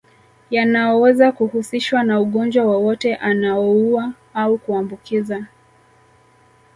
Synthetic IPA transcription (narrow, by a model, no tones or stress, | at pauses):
janaɔwɛzakuhusiʃwanauɠɔnd͡ʒwawawɔtɛʔanaɔua | aukuambukiza